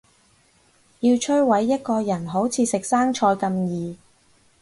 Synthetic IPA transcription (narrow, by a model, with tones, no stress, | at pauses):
jiː˧wt͡ʃʰɵ˥ɥwɐ˨˥jːɐ˥t̚kɔː˧jɐ˨˩nɦo˨˥wt͡sʰiː˨˥sɪ˨k̚saː˥ŋt͡ʃʰɔː˧jkɐ˧mjiː˨